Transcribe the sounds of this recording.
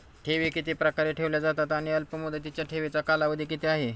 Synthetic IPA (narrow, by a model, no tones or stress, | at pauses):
ʈʰeʋekit̪epɾəkaɾeʈʰeʋljad͡zat̪at̪aɽ̃iəlpəmud̪ʱət̪it͡ɕjaʈʰeʋet͡sakalaʋəd̪ʱikit̪eaɦe